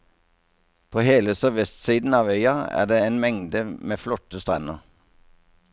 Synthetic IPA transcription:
pʰoːheːləsœʋɛst̪siːd̪n̩ɑːʋœʏɑæ̰ːd̪eːeːnmɛŋd̪əmeːflɔt̪əst̪ʁɛnəʁ

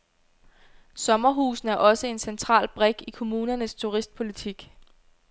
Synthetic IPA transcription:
sɒ̽mɐɦṵːsn̩æɐʔɒ̽səe̝nsent͡sʰʁɑ̰̈ːlb̥ʁeɡ̥ikʰo̝muːnɐnəst͡sʰuʁisd̥̚pʰo̝lit͡sʰiɡ̥

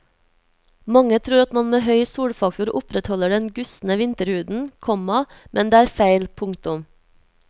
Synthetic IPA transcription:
mɑŋət̪ʰɾuːɾɑt̪mɑnmeːɦœʏsuːɽfɑk̚t̪ʊɾʊpɾɛt̪hɔləɖɛnɡʉsn̩əʋɪnt̪əɾhʉːd̪n̩kʰɔmɑmʔɛnd̪eːæːɾfæɪlpʰʊŋt̪ʊm

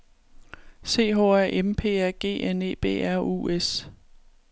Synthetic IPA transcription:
se̝̰ːɦɔ̰ːæɐ̰ʔempʰe̝̰ːæɐ̰ɡ̥e̝̰ːʔene̝̰ːb̥e̝̰ːæɐ̰ṵːes

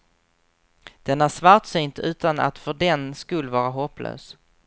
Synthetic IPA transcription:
d̪̥ɛnæʂvaɾʈsyːnt̪ʉ̟ːt̪ana̰t̪fœɖɛnskɵlːvɑːɾaɦɔplø̰ːs

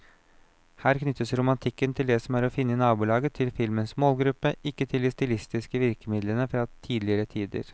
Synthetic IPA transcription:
hæːɾknʏt̪ːəsɾʊmɑnt̪ʰɪkːənt̪ʰɪld̪ɛsɔmæɾɔfɪnːəɪnɑːbʊːlɑːɡət̪ʰɪlfɪlmənsmoːlɡɾʉpːəɪkːət̪ʰɪlɪst̪ɪlɪst̪ɪskəʋɪɾkəmɪd̪lənəfɾɑːt̪ʰiːd̪lɪəɾət̪ʰiːd̪ə̰ɾ

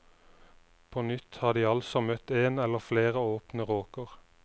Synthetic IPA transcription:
pʰoːnʏt̪hɑːd̪iːɑlsɔmœt̪eːnɛləʁfleːʁəoːpnəʁoːkəʁ

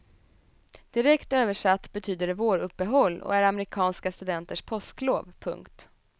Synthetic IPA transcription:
d̪̥ɪɾɛkt̪øːvəʂat̪ːbɛt̪ʰyːd̪əɾɛvoːɾɵpːəɦɔlːɔ̰æɾamɾɪkʰɑːnskast̪ɵd̪ɛnt̪əʂpʰɔskloːvpʰɵ̰ŋkt̪

